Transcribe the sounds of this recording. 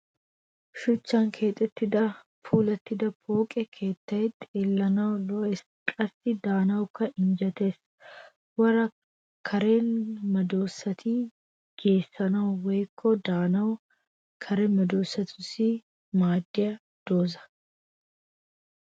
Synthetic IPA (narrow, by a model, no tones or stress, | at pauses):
ʃʊt͡ʃːaːŋkʰe̞ːt̪ʼːɛt̪ːɪd̪ɐ | fuːlɐt̪ːɪd̪ɐpoːkʼɛkʰe̞ːt̪ːɐɛt̪ːelːɐnɐlɔɛs | kʼɐsːɪd̪aːnɐwʊkɐɪnd͡ʒɐt̪e̞ːs | wɐɾɐ | kʰɐɾe̞ːnmɐd̪o̞ːsːɐt̪iː | ɡe̞ːsːɐnɐɔweːkʰːod̪aːnɐ | kʰɐɾɛmɐd̪oːsːɐt̪ʰʊsi | maːd̪ːɪɐ | d̪̥oːzɐ̥